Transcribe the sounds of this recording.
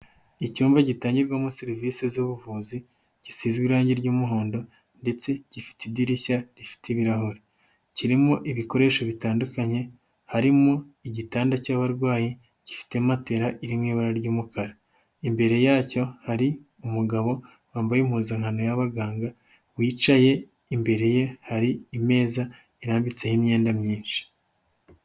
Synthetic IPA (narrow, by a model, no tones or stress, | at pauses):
icuːmbaɟitaːɲɟiɾɡwamuseɾiviːsezuβuvuːzi | ɟ̥isiːzɡwiɾaːɲɟiɾɟuːmuɦo̞ːndo̞ | nde̞t͡se̞ɟ̥ifi̥tediɾiʃaɾifi̥teiβiɾaɦoɾe | ciɾimuʔiβiko̞ɾe̞ːʃo̞βitaːndukaɲe̞ | haɾimu | iɟitaːndacaːβaɾɡwaːje | ɟ̥ifi̥te̞mate̞ɾaʔiɾimŋiːβaɾaɾɟuːmukʰaɾa | imbe̞ɾe̞jaːco̞haɾi | umuɡaβo̞ | waːmbajemhuːzaŋ̥hanojaβaɡaːŋɡa | wiːt͡ʃaje̞ | imbe̞ɾe̞je̞haɾiːme̞ːza | iɾaːmbit͡se̞himɲe̞ːndamɲiːnʃi̥